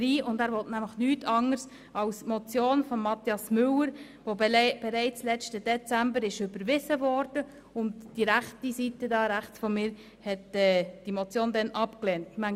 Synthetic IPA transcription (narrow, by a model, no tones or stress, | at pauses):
ɾiːʔʊndæːɾʋɔtnæmləχnyːtʰɑŋəɾs | ɑʊsmɔt͡sjoːnfɔmːɑt̪jɑsmʏləɾ | ʋob̥ɛɾɛɪt͡slɛt͡ʃtəd̥ɛt͡sæmbəɾɪʃʏbəɾʋɪzəvɔɾd̥ə | ʊndd̥iɾæχtisitədɑːɾæχt͡sfɔmɪːɾ | hɛtɛːd̥imɔt͡sjoːndɛnʔɑpklɛːntmæŋ